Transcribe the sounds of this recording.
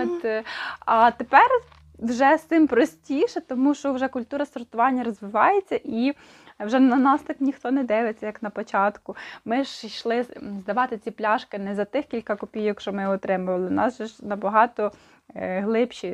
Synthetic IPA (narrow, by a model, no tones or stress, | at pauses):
t̪ | ɐt̪epɛr | wʒɛsɪmpɾɔsʲtʲijʃɛt̪ɔmuʃt͡ʃɔwʒɛkʊlʲt̪uɾɐsɔrt̪ʊʋɑnʲːɐɾɔzʋɪʋɑjet͡sʲːɐʔi | wʒɛnɐnɑst̪ɪknʲixt̪ɔnɛd̪ɪʋet͡sʲːɐjɐknɐpɔt͡ʃɑt̪kʊmɪʒʃlˠɪzd̪ɐʋɑt̪ɪt͡sʲiplʲɑʃkɪnɛzɐt̪ɪxkʲilʲkɐkɔpʲijɐkʃt͡ʃɔmɪɔt̪ɾɪmʊʋɐlˠɪnɑsʒɛʒnɐbɐɦɑt̪ɔ | ɦlˠɪpʃi